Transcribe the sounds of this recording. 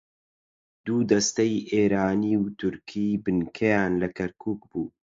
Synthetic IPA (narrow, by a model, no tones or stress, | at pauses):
d̪uːd̪ɐst̪ɛjʔeːɾaːniːwt̪ʰʊɾkʰiːbɨnkʰɛjaːnlɐkʰɐɾkʰuːkbuː